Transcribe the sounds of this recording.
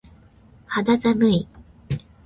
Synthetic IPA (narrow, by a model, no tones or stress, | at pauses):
had̪azamɯi